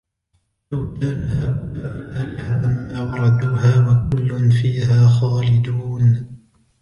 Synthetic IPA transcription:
lawt̪alhaːwawalhaaʔamːawɑɾˤɑd̪uːhaːwakʊlːʊnfiːɦaːxaːlɪd̪uːn

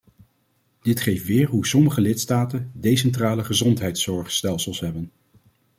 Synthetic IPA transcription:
d̥ɪtχejftʋɪːɹɦusɔməχəlɪtstaːtəndejs̬ɛntraːləχəzɔntɦɛjtsɔɹχstɛlˠsəlˠsɦɛbən

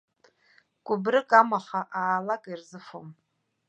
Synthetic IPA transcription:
ɡ̥ʷʼʊbrɨkʼamaχaʔaːlakʼirzɨfom

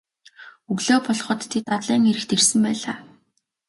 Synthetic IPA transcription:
ɵɣɮoːpɔɮχɞ̆t̪ʰːet̪at̪ɮiːŋeɾɘ̆xt̪ʰersɘ̆mpæːɮaː

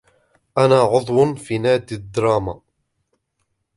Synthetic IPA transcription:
ʔænæʕʊðˤwənfinæːd̪id̪ɾˤɑːma

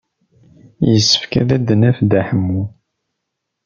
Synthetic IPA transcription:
jəsːə̥fkæ̰ðæd̪ənæfd̪æħəmːu

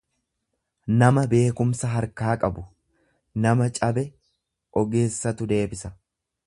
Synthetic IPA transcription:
nɐmɐbe̞ːkʊmsɐɦɐɾkaːkʼɐbʊ | nɐmɐt͡ʃʼɐbɛ | ʔɔɡe̞ːsːɐt̪ʊd̪e̞ːbɪsɐ

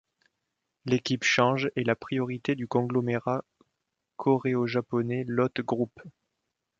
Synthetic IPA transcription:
lekʲipʃɑ̃ʒelapχijɔʁit̪ed̪ykɔ̃ɡlɔmeʁa | kʰɔʁeoʒapɔnɛlɔt̪ɡʁup

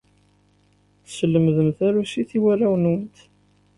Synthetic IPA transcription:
θəsəlːəmðəmθæɾusiθiwærːæwənwənt̪

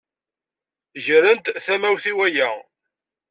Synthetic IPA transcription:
ʒəɾənt̪θæmæwθiwæjæ

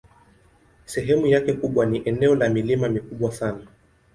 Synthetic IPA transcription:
sɛɦɛmujakɛkuɓwaniʔɛnɛɔlamilimamikuɓwasana

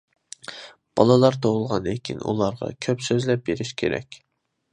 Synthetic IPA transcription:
b̥ɑlˠɨlˠɑɾt̪ʰoʁʊlˠʁɑnekʲʰinṵlˠɑɾʁɑ̰kʲʰøpsøzlɛp̚beɾɪʃkʲʰeɾɛ̰kʲ

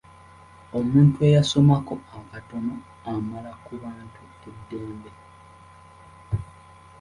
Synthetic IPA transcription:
o̞muːntue̞jaso̞mako̞akato̞no̞ | amalakuβaːntʰu | edːeːmbe̞

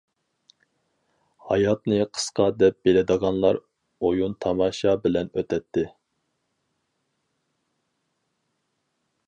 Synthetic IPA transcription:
hɑjɑt̪nɨqʰə̥sqʰɑd̪ɛp̚b̥elɪd̪əʁɑnlˠɑɾ | ojunt̪ʰɑmɑːʃɑbɪlɛnøt̪ʰɛt̪ʰːɪ

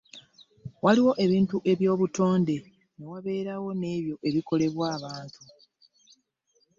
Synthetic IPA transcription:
waliwo̞ʔe̞βiːntuʔe̞βjo̞ːβuto̞ːnde̞ | newaβe̞ːɾawo̞ne̞ːβjo̞ʔe̞βiko̞le̞βwaːβaːntʰu

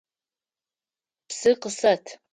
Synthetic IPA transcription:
psɨqəsɐtʰ

